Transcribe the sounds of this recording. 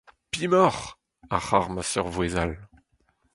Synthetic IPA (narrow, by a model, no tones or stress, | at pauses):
pimɔʁ | aχaʁmasœʁvwezal